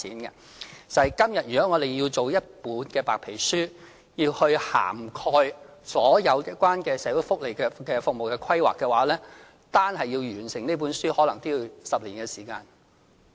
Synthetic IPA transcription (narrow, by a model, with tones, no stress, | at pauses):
iː˨˥nkɛ̰˧ | t͡sɐ˨ɐ˨jkɐ˥mjɐ˨t̚jyː˨˩kɔː˨˥ŋɔː˨˧t̪e˨jji˧wt͡so˨wjɐ˥t̚puː˨˥nkɛː˧paː˨k̚pʰe˨˩jsyː˥ | jiː˧whɵ˧ɥha̰ː˨˩mkʰɔː˧jsɔː˨˥jɐ˨˧wjɪ˥kʷːwaː˥nkɛː˧sɛː˨˥wu˨˧˥fʊ˥k̚le˨jkɛ˧kɛː˧fʊ˨k̚mo˨wkɛː˧kʰwɐ˥jwa̰ː˨kːɛ˧waː˨˥lɛː˥ | t̪aː˥nhɐ˨jiː˧wjyː˨˩nsɪ˨˩ŋne˥jp̬uː˨˥nsyː˥hɔː˨˥lɐ˨˩ŋt̪iː˥i˨˧sɐ˨p̚liː˨˩nkɛː˧siː˨˩kaː˧n